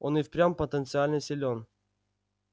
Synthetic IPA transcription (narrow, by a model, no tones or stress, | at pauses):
onɪfpɾʲampət̪ənt̪sɨalʲnəsʲɪlʲon